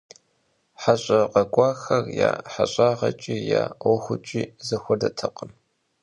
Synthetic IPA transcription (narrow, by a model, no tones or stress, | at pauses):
ħaɕʼɐqɐkʷʼɑːxɐrjaːħaɕʼaːʁɐ̰t͡ʃʼiːjaːwɔxʷʊt͡ʃʼiːzɐxʷɔdɐtʰɐqʼəm